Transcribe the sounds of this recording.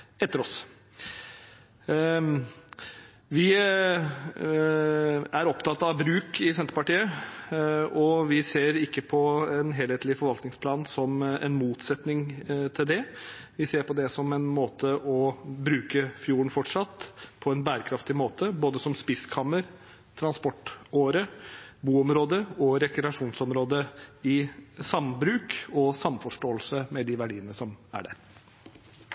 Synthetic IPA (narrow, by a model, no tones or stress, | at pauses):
ɛt̪ːəɾɔs | ʋɪ | æɾɔpt̪ʰɑːt̪ɑʋbɾʉːkɪsɛnt̪əɾpɑʈiːə | ɔʋɪseːɾɪkːəpʰɔɛnɦeːlheːt̪lɪfɔɾʋɑlk̪nɪŋspʰlɑːnsɔmɛ̰nmuːt̪sɛt̪nɪŋt̪ʰɪld̪ɛ | ʋɪseːɾpɔd̪ɛsɔmɛnmoːt̪ʰəʔɔbɾʉːkəfjuːɳ̩fɔʈʂɑt̪ːpʰɔɛnbæːɾəkʰɾɑft̪ɪmoːt̪ʰəboːd̪əsɔmspɪskʰɑmːəɾ | t̪ʰɾɑnspɔʈoːɾəbuːɔmɾoːd̪əɔɾɛkɾɛɑʂuːnsɔmɾoːd̪əɪsɑmbɾʉːkɔsɑmfɔʂʈoːəlsəmɛd̪ɪʋæɖiːənəsɔmæ̰ɖæ̰ɾ